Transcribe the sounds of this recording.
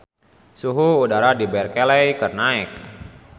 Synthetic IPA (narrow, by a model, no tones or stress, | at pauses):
suɦuudaɾadibɛrkelɛjkərnaɪk̚